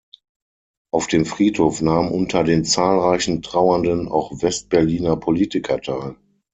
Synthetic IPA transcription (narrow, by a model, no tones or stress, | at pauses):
ʔaʊfd̥eːmfʁ̥iːthoːfnaːmmʔʊntʰɐdeːnt͡saːlʁaɪçn̩tʁ̥aʊɐndəna̰ʊxvɛst̚b̥ɛɐliːnɐpʰoliːtɪkʰɐtʰaɪl